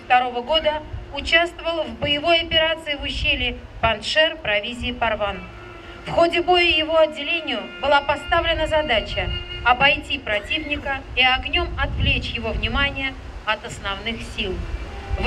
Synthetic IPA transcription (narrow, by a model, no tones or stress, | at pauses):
ft̪ɐɾo̞vəɡo̞d̪əʊt͡ɕast̪vəvəlˠvbəjɪvo̞jɐpʲɪɾat̪sɨɪvʊɕːelʲɪ | pɐnʂɛrpɾɐvʲizʲɪːpɐrvan | fxo̞dʲɪbo̞jɪjɪvo̞ɐdʲːɪlʲenʲɪjʊbɨlˠapɐst̪avlʲɪnəzɐd̪at͡ɕəɐbɐjtʲipɾɐtʲivnʲɪkəiɐɡnʲo̞mɐt̪vlʲet͡ɕjɪvo̞vnʲɪmanʲɪjə | ɐt̪əsnɐvnɨxsʲilˠv